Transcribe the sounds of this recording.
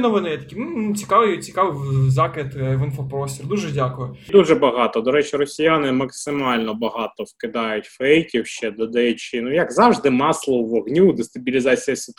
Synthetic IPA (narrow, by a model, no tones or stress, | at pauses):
nɔʋɪnɪjɛt̪ɐ̥kʲinnut͡sʲi̥kɑʋɪjt͡sʲi̥kɑʋɨzɑkɪt̪ʋɪnfɐpɾɔsʲtʲird̪uʒɛdʲakʊjʊd̪uʒɛbɐɦɑt̪ɔd̪ɔɾɛt͡ʃɪrɔsʲijanɪmɐksɪmɑlʲnɔbɐɦɑt̪ɔwkɪd̪ɑjʊtʲfɛjkʲiwʃt͡ʃɛd̪ɔd̪ɐɛt͡ʃɪnujɐkzɑwʐd̪ɪmɑslˠɔʋɔɦnʲud̪ɪst̪ɐbʲilʲɪzɑt͡sʲijɐsɪt̪